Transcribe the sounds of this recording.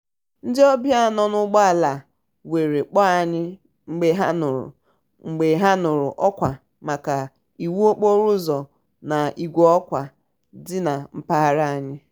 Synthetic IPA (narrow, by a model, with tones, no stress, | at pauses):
n̩˦dɪ˦ɔ˦bja˦˨nɔ˦nʊ˦ɡ͡bɔ˦a˨la˨ | we˨ɾe˨k͡pɔ˦a˦˨ɲɪ˦ | ŋ͡m̩˦ɡ͡be˦ɦa˦nʊ˨ɾʊ̰˨ | ŋ͡m̩˨ɡ͡be˨˦ɦa˦nʊ˨ɾʊ̰˨ʔɔ˦kʷa˨ | ma˨ka˨ | i˨wu˦o˦k͡po˦ɾʊ˦zɔ˨ | na˨ʔi˨ɡʷo˦ɔ˦kʷa˨ | dɪ˦na˨m̩˦pa˦ɦa˦ɾa˦a˨ɲɪ˦